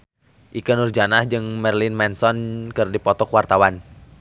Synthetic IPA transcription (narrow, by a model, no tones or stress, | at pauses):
ʔikənurd͡ʒanahd͡ʒɨŋmɛrlinmɛnsɔnkɨrdipɔt̪ɔkwart̪awan